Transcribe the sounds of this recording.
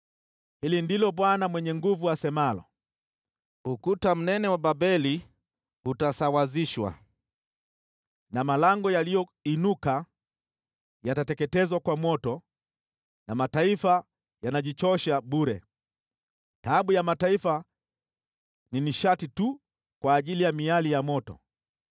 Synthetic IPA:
hilindilɔɓwanamwɛɲɛŋɡuvuasɛmalɔ̰ | ukutam̩nɛnɛwababɛli | utasawaziʃwa̰ | namalaŋɡɔjalijɔinuka | jatatɛkɛtɛzwakwamɔtɔ | namataifa | janaʄit͡ʃɔʃaɓuɾɛ | taɓujamataifa | niniʃatitu | kwaːʄilijamialijamɔtɔ̰

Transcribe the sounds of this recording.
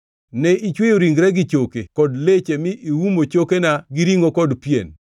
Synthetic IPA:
nɛit͡ʃwejoɾiŋɡɾɛɡɪt͡ʃokekɔdlet͡ʃemɪʔiwumot͡ʃokenaɡɪɾiŋokɔdpjen

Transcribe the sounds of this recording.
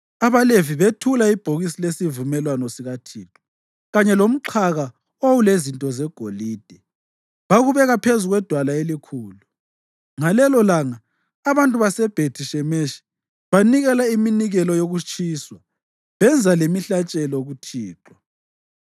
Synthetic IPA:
aβaleviβetʰulaib̥ʱoɣisilesivumɛlwanɔsiɣatʰiːǁʼwɔ̥ | ɣaɲɛlom̩ǃʰaɣa | owulezintʼɔzɛɡ̥ʱoliːd̥ʱɛ | βaɣuβɛɣapʰezuɣwɛd̥ʱwalaelikʰuːlu | ŋalɛlɔlaŋaː | βantʼuβasɛb̥ʱetʰiʃɛmeʃi̥ | βaniɣɛlaiminiɣɛlɔjoɣut͡ʃʼʰiswa | βɛnd͡zʱalemiɬat͡ʃʼɛlɔɣutʰiːǁwa

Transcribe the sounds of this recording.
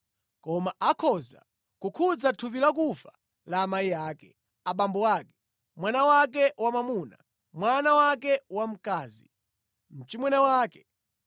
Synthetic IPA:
kɔmaʔakʰɔza̰ | kukʰud͡zatʰup̬ilak̬ufḁ | laːmaijaːkɛ | aɓambɔwaːkɛ̥ | mwanawak̬ɛwamamuːna̰ | mwanawak̬ɛwam̩kaːzḭ | m̩t͡ʃimwɛnawaːkɛ̥

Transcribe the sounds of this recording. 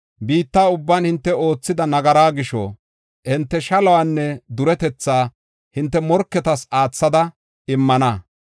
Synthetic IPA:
biːt̪ːaːʊbːaːnhɪnt̪ːɛo̞ːt͡sːɪd̪ɐnɐɡɐɾaːɡɪʃɔ̰ | hɪnt̪ːɛʃɐlɐwaːnːɛd̪ʊɾɛt̪ɛt͡sːaː | hɪnt̪ːɛmɔɾkːɛt̪ɐsaːt͡sːɐd̪ɐ | ɪmːɐnɐ

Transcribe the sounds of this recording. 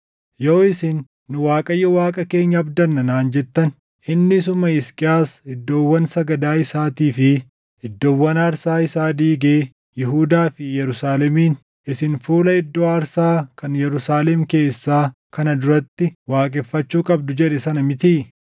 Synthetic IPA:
joːɪsɪnː | ʊwaːkʼɐjːɔwaːkʼɐke̞ːɲːɐːbd̪ɐnːɐnaːnd͡ʒɛt̪ːɐn | ɪnːɪsʊmɐɪskʼɪjaːsɪd̪ːoːwːɐnsɐɡɐd̪aːɪsaːt̪iːfɪ | ɪd̪ːoːwːɐnɐɾsaːɪsaːd̪iːɡeː | jɪɦuːd̪aːfɪjɛɾʊsaːlɛmiːn | ɪsɪnfuːlɐɪd̪ːoːɐɾsaːkɐnjɛɾʊsaːlɛmke̞ːsːaː | kɐnɐd̪ʊɾɐt̪ːɪwaːkʼɛfːɐt͡ʃːuːkʼɐb̚d̪ʊd͡ʒɛᶑɛsɐnɐmɪt̪i

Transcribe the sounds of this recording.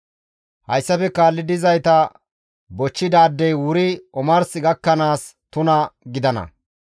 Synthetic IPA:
hɐjsːɐfɛkaːlːɪd̪ɪzɐjt̪ɐ | bɔt͡ʃːɪd̪aːd̪ːɛjwʊɾɪɔmɐɾsɪɡɐkːɐnaːst̪ʊnɐɡɪd̪ɐnɐ̰

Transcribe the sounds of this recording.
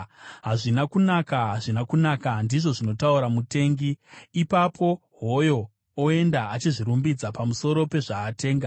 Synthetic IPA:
ɦaʐinakunakaɦaʐinakunakandiʐo̞ʐino̞tauɾamute̞ːŋɡiːpapʰo̞ | ɦo̞jo̞ | oe̞ndaat͡ʃiʐiɾumbid͡zapamuso̞ɾo̞pe̞ʐaːte̞ːŋɡa

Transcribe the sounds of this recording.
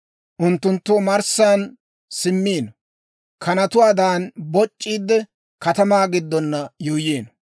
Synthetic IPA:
ʔʊnt̪ːʊnt̪ːomɐɾsaːn | sɪmːiːnɔ | kʰɐnɐt̪ʊwaːd̪aːnbɔt͡ʃʼːiːd̪ːɛ | kɐt̪ɐmaːɡɪd̪ːɔnːɐjuːjeːnɔ

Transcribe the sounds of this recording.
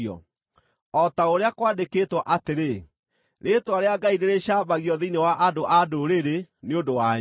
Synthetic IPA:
ɔ̰ | ɔtaoɾeakwadekeːtwɔʔateɾe | ɾetwaɾeaɡaiɾeɾeɕaːbaɣiɔðinewaʔadoʔadoɾeɾeneodowa

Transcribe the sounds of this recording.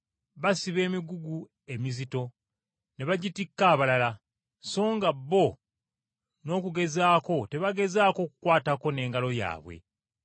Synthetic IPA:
βasiβe̞ːmiɡuɡu | e̞mizito̞ | ne̞βaɟitikːaːβalala | so̞ːŋɡabːo̞ | no̞ːkuɡe̞zaːko̞te̞βaɡe̞zaːko̞ːku̥kwaːtako̞ne̞ːŋɡalo̞ja̰ːβwe̞̰

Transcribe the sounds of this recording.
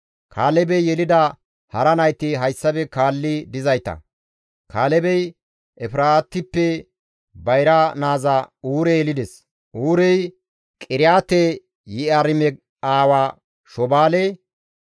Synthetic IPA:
kʰaːlɛbɛjjɛlɪd̪ɐ | hɐɾɐnɐjt̪ːɪɦɐjsːɐbɛkaːlːɪd̪ɪzɐjt̪ɐ̰ | kʰaːlɛbɛj | ʔɛfɪɾaːt̪ːɪpːɛ | bɐjɾanaːzauːɾɛjɛlɪd̪ɛs | ʔuːɾɛj | kʼɪɾɪjaːt̪ɛ | jɪɐɾɪmɛ | aːwaː | ʃɔbaːlɛ

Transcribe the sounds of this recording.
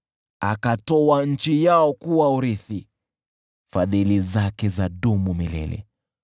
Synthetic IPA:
a̰katɔwanɲ̩t͡ʃijaɔkuwauɾiθi | faðilizakɛzaɗumumilɛ̰lɛ̰

